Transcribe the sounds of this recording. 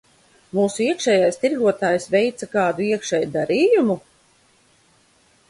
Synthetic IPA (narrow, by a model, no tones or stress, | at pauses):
muːsuiɛkʃɛːjajst̪iɾɡuɔt̪aːjsvɛjt̪sakaːd̪uiɛkʃɛjud̪aɾiːjumu